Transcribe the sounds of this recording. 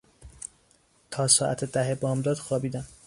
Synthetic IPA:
t̪ʰɒːsɒːʔæ̰t̪ʰed̪æɦebɒːmd̪ɒːd̪̥xɒːbiːd̪æm

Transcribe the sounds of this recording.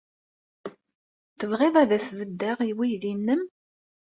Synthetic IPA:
θəvʁeðˤæðæsvəd̪ːæʁiwiðinːəm

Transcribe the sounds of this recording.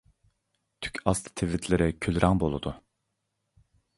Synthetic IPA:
t̪ʰy̥cʰʲɑst̪ʰt̪ʰevit̪ʰlʲeɾɛkʲʰylʲɾʔɑŋbolˠṵd̪̥ʊ

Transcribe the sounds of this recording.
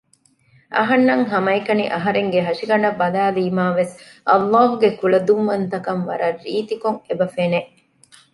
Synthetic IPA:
ʔɐ̰ɦɐnːɐŋɦɐmɐikɐnḭʔɐɦɐɾeŋɡeɦɐʂiɡɐɳɐbːɐlaːliːmaːʋes | ʔɐ̰lːɑːɦuɡekulɐd̪umːɐnt̪ɐkɐnʋɐ̰ɾɐrːiːt̪ikoŋebɐfeneʔ

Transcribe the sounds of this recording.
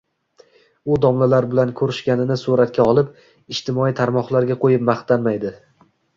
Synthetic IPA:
ʊd̪ɒmlalaɾbɪlankʰɵɾɪʃkʲanɪnɪsuɾat̪̚kʲʰaɒlˠɪp̚ | ɪʃt̪ɪmɒijt̪ʰaɾmɒχlˠaɾɡʲaqʰojɪp̚maχt̪ʰanmajd̪ɪ

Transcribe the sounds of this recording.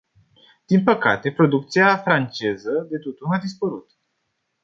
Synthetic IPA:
d̪̥inpəkat̪e̞pɾo̞d̪uk̚t̪siafɾant͡ʃe̞zəd̪e̞t̪ot̪unad̪ispəɾut̪

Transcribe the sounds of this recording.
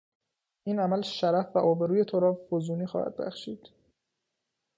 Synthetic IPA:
ʔiːnæmælʃæɾæfvæʔɒːbeɾuːje̞t̪ʰoɾɒːfozuːniːxɒ̰ːhæ̰d̪̚bæ̰xʃiːd̪̥

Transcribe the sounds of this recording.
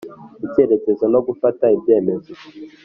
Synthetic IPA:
itieɾekɛzɔnɔkufataibjɛmɛzɔ

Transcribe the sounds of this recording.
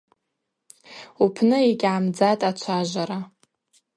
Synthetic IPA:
upʰnɨiɡʲamd͡zatʼat͡ʃʷʰaʒʷaɾa

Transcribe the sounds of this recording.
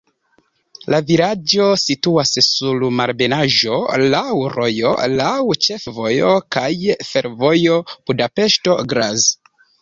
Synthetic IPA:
lavilad͡ʒo̞situassulmaɾbe̞naʒo̞lawɾo̞jo̞̰lawt͡ʃe̞fvo̞jo̰kajfe̞ɾvo̞job̥udape̞ʃto̞ɡɾaz

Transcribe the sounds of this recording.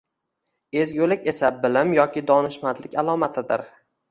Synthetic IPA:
e̞zɡʲolɪkʲe̞sabɪlɪmjɒkʲʰɪd̪ɒnɪʃmant̪lɪkʲalˠɒmat̪ʰɪd̪ɪ̰ɾ

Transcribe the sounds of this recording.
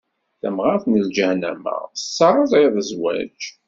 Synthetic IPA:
θæmʁaɾθnəld͡ʒəhnæ̰mə̰sːɑɾˤəzˤeðˤəzwæ̰d͡ʒ

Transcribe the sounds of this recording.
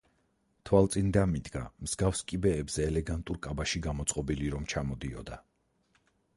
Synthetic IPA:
t̪ʰwalˠt̪sʼind̪amid̪ɡamz̥ɡafskʼibɛːbz̥ɛːlɛɡant̪ʼuɾkʼabaʃiɡamɔt̪sʼqʼɔbiliɾɔmt͡ʃʰamɔd̪iɔd̪a

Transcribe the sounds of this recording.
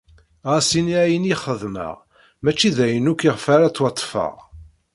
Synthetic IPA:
ʁasiniæjəniχəðmə̰ʁ | mæt͡ʃːiðæjənukiʁfaɾat͡sːwɑt̪ˤːfə̰ʁ

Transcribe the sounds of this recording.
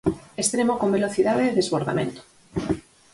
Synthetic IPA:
est̪ɾemokombelo̞θiðaðeːðezβoɾða̰mẽnt̪o̥

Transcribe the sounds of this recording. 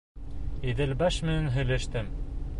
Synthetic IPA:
iðɘ̆lbæʃmɘ̆nænɦɵ̆jlæʃt̪ɘm

